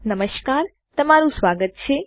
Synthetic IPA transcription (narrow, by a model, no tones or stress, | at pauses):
nəməʃkaːɾ | t̪əmaɾũsʋaɡət̪̚t͡ʃʰe